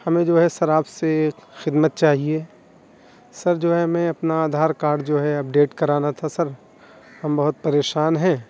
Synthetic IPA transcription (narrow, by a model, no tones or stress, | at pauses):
hɐmẽd͡ʒoːɦɛsɐɾaːpsekxɪd̪mət̪̚t͡ʃaːɦie | sɐɾd͡ʒoːɦɛmɛ̃ɐpnaːd̪ʱaːɾkaːɾɖ̚d͡ʒoːɦɛɐp̚ɖeːʈkɐɾaːnat̪ʰasɐɾ | hɐmbɐɦʊt̪̚pɐɾeːʃaːnɦɛ̃ː